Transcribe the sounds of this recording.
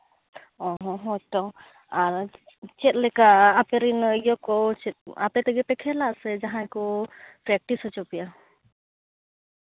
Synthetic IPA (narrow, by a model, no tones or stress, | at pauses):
ɔɦɔ̃ɦɔʈɔ | aɾ | t͡ʃɛt̪̚lɛkaːpeɾinijɔkɔt͡ʃɛt̪̚apɛt̪ɛɡɛpɛkʰɛlaʔsɛd͡ʒaɦãkɔpɾɛk̚ʈisɔt͡ʃɔpija